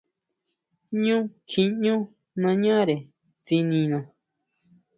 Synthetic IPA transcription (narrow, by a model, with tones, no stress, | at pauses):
ɲũ˦kʰĩ˧ɲũ˦ | nã˧ɲã˦ɾe˨ | t͡si˧nĩ˧nã˧